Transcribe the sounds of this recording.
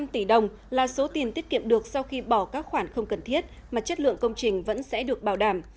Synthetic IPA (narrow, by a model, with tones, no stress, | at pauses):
mt̪i˧˩ɗə˨˩wŋ͡m | laː˨˩so˨˦t̪i˨˩ənt̪i˦˥ət̚kḭ˧˨əmɗɨ˨˩ək̚sa˧wxi˧ɓɔ˧˩kaː˦˥k̚xwaː˧˩nxə˧wŋ͡mkə˨˩nt̪ʰi˦˥ət̚ | maː˨˩t͡ɕə˦˥t̚lɨ̰˧˨əŋkə˧wŋ͡mt͡ɕï˨˩ŋ̟və̰˧˥nsɛ̰˧˥ɗɨ˨˩ək̚ɓaː˨˧˩wɗaː˧˩m